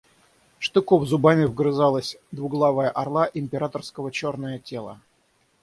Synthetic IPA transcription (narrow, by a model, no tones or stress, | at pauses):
ʂt̪ʊkovzʊbamʲɪvɡɾɨzalˠəsʲd̪vʊɡlˠavəjəʔɐrlˠaʔɪmʲpʲɪɾat̪ərskəvət͡ɕo̞rnəjətʲelˠə̰